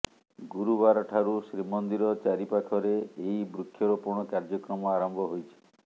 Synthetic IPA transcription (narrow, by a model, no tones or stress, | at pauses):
ɡuɾubaɾɔʈʰaɾusɾimɔnd̪iɾɔt͡ʃaɾipakʰɔɾeːibɾukʰjɔɾɔpuɾɳ̃ɔkaɾd͡ʒɔkɾɔmɔaɾɔmbʱɔɦojt͡ʃʰi̥